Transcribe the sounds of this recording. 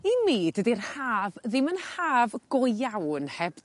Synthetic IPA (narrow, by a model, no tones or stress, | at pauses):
imiːd̥ədirhaːvðɪmənhaːvɡ̥ɔawnhɛb